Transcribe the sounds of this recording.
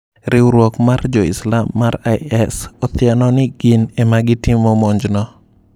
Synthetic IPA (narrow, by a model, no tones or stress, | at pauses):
ɾɪwɾwɔkmard͡ʒɔɪslamːaɾaɛsɔt̪ɪanɔnɪɡɪnemaɡɪtimomɔɲd͡ʒnɔ